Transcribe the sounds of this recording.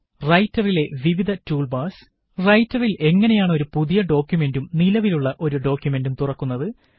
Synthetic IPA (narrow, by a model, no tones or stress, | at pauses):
rɐjtːɐrile̞ʋiʋid̪ʱɐtuːlbaːs | rɐjtːɐrile̞ŋːɐne̞jaːɳɨo̞ɾupuðijɐɖo̞ːkʲjume̞ndumnilɐʋiluɭːɐʔo̞ɾuɖo̞ːkʲjume̞ndumt̪urɐkːun̪ːɐðɨ